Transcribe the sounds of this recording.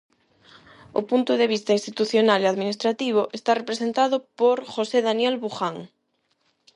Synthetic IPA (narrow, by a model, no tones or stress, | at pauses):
o̰punt̪ʊðeβ̞ist̪ɐinst̪it̪uθjonaleaðminist̪ɾat̪iβ̞oʔest̪arepɾesent̪aðʊpoɾxoseðanjɛlβuxaŋ